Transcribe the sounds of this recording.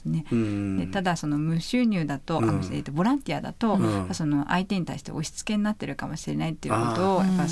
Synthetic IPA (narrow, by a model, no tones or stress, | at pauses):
sɨne̞d̪e̞t̪ad̪aso̞no̞mɯ̟ɕɨːɲ̟ʲɨːd̪at̪o̞ʔa̰moɕet̪obo̞ɾãnt̪ʲiad̪a̰t̪o̞aso̞no̞ʔa̰it̪e̞ɲ̟it̪aiɕi̥t̪e̞̰o̞ɕi̥t͡sɨ̥ke̞ɲinat̪ːe̞ɾɯ̟kamo̞ɕiɾe̞nait̪ːeiɯ̰ko̞t̪o̞ːjapːa